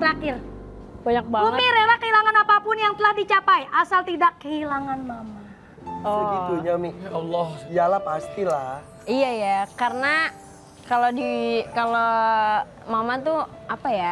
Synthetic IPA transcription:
ɾakɪr | baɲak̚bauŋmiɾelahkəɦilaŋanapapʊnjaŋt̪əlahdit͡ʃapajʔasalt̪idakːəhilaŋanmama | ɔsiit̪uɲamiɔlːɔhd͡ʒalapast̪ilah | ijajakarəna | kalodikalo | mamat̪uapaja

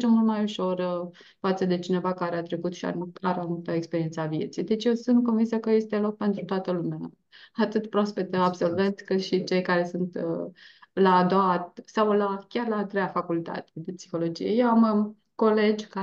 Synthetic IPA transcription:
d͡ʒemult̪majuʃo̞r | fat̪səd̪e̞t͡ʃine̞vakaɾeat̪ɾe̞kut̪ʃia̰uaɾemamult̪əekspeɾiet̪səavie̞t̪sijd̪e̞t͡ʃʲje̞wsunt̪ko̞nvinsəkəje̞st̪elo̞k̚pe̞nt̪ɾut̪oat̪əlumeaː | t̪ɨt̪pɾospet̪eabso̞lve̞nt̪sʲkɨt̪ʃit͡ʃe̞jkaɾe̞sunt̪ | laːd̪owat̪sawlakʲarlaːt̪ɾejafakult̪a̰t̪ed̪e̞psixo̞lo̞d͡ʒḭje̞̰je̞wam | ko̞le̞d͡ʒʲka

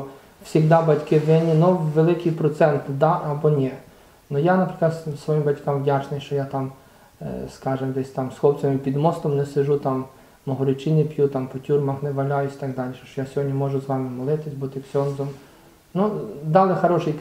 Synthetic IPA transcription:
wsʲiɣd̪ɑbɐtʲkɪʋɪnʲinʊʋelˠɪkijpɾɔt̪sɛnt̪d̪ɑʔɐbɔnʲɛ | nʊjanɐpɾɪklˠɐt̪sʋɔjimbɐtʲkɑmʋdʲat͡ʃnɪjʃt͡ʃɔjat̪ɑm | skɑʒɪmd̪ɛsʲt̪ɑmsxɔpt͡sʲɐmɪpʲid̪mɔst̪ɔmnɛsɪʒut̪ɑmː | ɔɦɔɾɪt͡ʃɪnʲipjut̪ɑmpɔtʲurmɐxnɛʋɐlʲajʊsʲi̥t̪ɐɡd̪ɑlʲiʃɔ̥ʃt͡ʃɔjasʲɔɦɔdʲnʲimɔʒʊzʋɑmɪmɔlˠɪt̪ɪsʲbut̪ɪpsʲɔnzɔm | nud̪ɑlˠɪxɐɾɔʃɪj

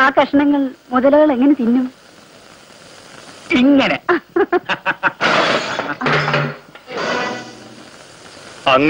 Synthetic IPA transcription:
aːkɾɐʂɐɳɐŋːɐɭmuðɐlɐɣɐɭeŋːɐnet̪inːum | iŋːɐne | ɐŋː

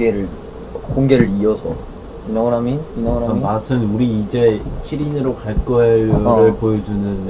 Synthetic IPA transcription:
eɾɯɭ | koŋɡeɾɯɾiʌsʰʌ | inŋɾamiinaŋɾamimasʰɯnuɾiːd͡ʑe̞ɕʰiɾinɯɾokaɭk͈ʌeɾɯɭpojʌd͡ʑunɯn

